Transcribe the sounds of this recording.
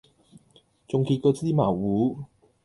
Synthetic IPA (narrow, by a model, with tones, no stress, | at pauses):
t͡sʊ˨ŋkiː˧t̚kɔː˧t͡siː˥maː˨˩wwuː˨˥